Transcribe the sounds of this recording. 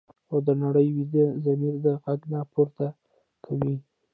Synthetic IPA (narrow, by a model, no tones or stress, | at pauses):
xod̪ənaɽəjwid̪əzamiɾd̪əɣaɡnɑpoɾt̪a | kʰawi